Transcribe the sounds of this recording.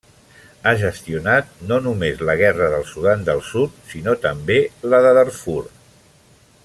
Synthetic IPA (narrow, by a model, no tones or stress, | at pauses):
aʒəst̪iunat̪̚nonumezləɣ̞ɛrəðəlˠsuðand̪əlˠsut̪sinot̪əmbeləðəðəɾfuɾ